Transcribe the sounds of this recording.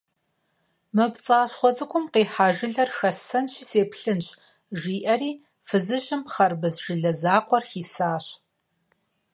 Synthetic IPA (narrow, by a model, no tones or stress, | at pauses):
mɨbt͡sʼaːɕχʷɔt͡sʼɨkʷʰʼʊmqeːħaːʒɪɮɐrxɐsɐnɕiːseːpʰɬɨnɕʼ | ʒiːʔɐriː | fɨzɨɕʼɪmχɐrbɨzʒɪɮɐzaːqʷɔrxiːsaːɕ